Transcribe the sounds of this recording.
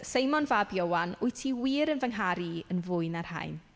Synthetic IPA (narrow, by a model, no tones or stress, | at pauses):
sejmɔnvabjowanʊɨtʰiwiːɾənvəŋɦaɾiənvʊɨnar̥ha̰jn